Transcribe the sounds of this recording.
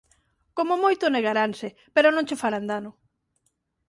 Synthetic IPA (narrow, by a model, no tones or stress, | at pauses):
komomojt̪ʊneɣaɾanse | peɾonõŋt͡ʃefaɾand̪anʊ